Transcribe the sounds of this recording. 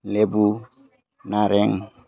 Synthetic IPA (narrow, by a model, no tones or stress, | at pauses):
lebu | naɾeŋ